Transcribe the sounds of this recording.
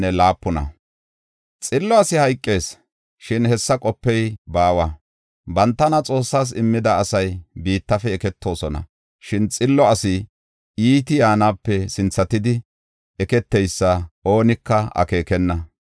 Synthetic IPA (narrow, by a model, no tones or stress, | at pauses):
nɛlaːpːɔnɐ̰ | t͡sʼɪlːɔɐsɪhɐjkʼːe̞ːs | ʃɪnhɛsːɐkʼɔpːɛjbaːwɐ | bɐnt̪ːɐnɐt͡sʼo̞ːsːaːs̬ɪmːɪd̪ɐːsɐjbiːt̪ːɐfɛːkɛt̪ʰːo̞ːsɔnɐ̰ | ʃɪnt͡sʼɪlːɔɐsɪ | iːt̪ɪjaːnaːpːɛsɪnt͡sːɐt̪ɪd̪ɪ | ɛkɛt̪ːɛjsːɐʔo̞ːnɪkːɐɐ̰ke̞ːkɛnːɐ